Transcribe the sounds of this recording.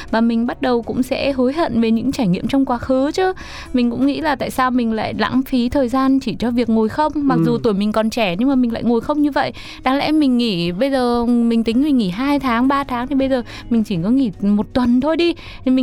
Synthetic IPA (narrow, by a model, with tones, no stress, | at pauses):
vaː˨˩mï˨˩ŋ̟ɓa˦˥t̚ɗə˨˩wkʊ̰˧˥ŋ͡msɛ̰˧˥ɦo˨˦jɦə̰˧˨nve˨˩ɲɨ̰˧˥ŋt͡ɕaː˧˩jŋḭ˧˨əmt͡ɕɔ˧wŋ͡mkwaː˨˦xɨ˨˦t͡ɕɨ˨˦ | mi˨˩ŋ̟kʊ̰˧˥ŋ͡mŋḭ˧˥laː˨˩t̪a̰ː˧˨jsaː˧wmï˨˩ŋ̟la̰ː˧˨jla̰ː˧˥ŋfi˨˦t̪ʰəː˨˩jzaː˧nt͡ɕi˧˩t͡ɕɔ˧vi˨˩ək̚ŋo˨˩jxə˧wŋ͡mma˨˩k̚zu˨˩t̪u˧˩jmï˨˩ŋ̟kɔ˨˩nt͡ɕɛ˧˩ɲɨ˧ŋmaː˨˩mï˨˩la̰ː˧˨ŋo˨˩jxə˧wŋ͡mɲɨ˧və̰˧˨j | ɗa˨˦ŋlɛ̰˧˥mï˨˩ŋ̟ŋi˧˩ɓə˧jzəː˨˩mï˨˩ŋ̟t̪i˨˦ŋ̟mï˨˩ŋ̟ŋi˧˩ɦaː˧jt̪ʰaː˨˦ŋɓaː˧t̪ʰaː˨˦ŋt̪i˨˧ɓə˧jzəː˨˩ | mï˨˩ŋ̟t͡ɕi˧˩kɔ˨˦ŋi˧˩mo˨˩t̚t̪wə˨˩nt̪ʰo˧jɗi˧˨ | mi˨